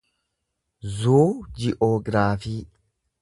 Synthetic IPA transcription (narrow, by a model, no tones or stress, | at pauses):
zuːd͡ʒɪʔoːɡɾaːfiː